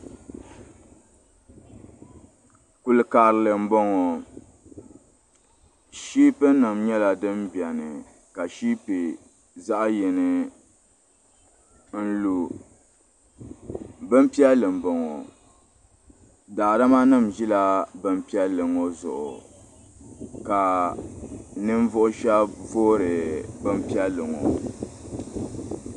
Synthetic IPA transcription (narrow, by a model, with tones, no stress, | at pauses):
ku˨lɨ˨kaː˨ɾɨ˨lɨ˨m̩˦bo˦ŋo˨ | ʃiː˦pɨ˦nɨ˨mɲɛ˦la˨dɨ˦mbi˨ɛ˨nɨ˨ | ka˨ʃiː˦pɨ˨ | za˦ʔjɛ˨nɨ˨ | n̩˦lu˨ | bɨ˦m˦pi˦a˦lɨ˨mbo˨ŋo˨ | daː˨da˦ma˦nɨ˦˨mʒi˦la˦bɨ˦m˦pi˦ɛ˦lɨ˨ŋo˦zʊ̰˨ʔʊ̰˨ | ka˨ | nɨ˦m˦vʊ˦ʔʊ˦ʃa˦voː˦ɾɨ˨bɨ˦m˦pi˦a˦lɨ˨ŋo̰˨